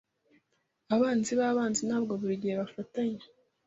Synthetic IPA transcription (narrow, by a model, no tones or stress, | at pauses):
aβaːnziβaːβaːnzinaːb̚ɡo̞βuɾiɟijeβafataɲe